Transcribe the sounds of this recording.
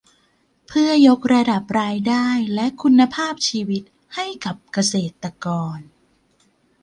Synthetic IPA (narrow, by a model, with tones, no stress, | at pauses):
pʰɯ˥˩ɐjo˦˥k̚ɾa˧da˨˩p̚ɾaː˧jdaː˥˩jlɛ˦˥ʔkʰu˧nːa˧pʰaː˥˩p̚t͡ɕʰiː˧wi˦˥t̪̚ | ha˥˩jka˨˩p̚ka˧seː˨˩t̪ːa˧kɔː˧n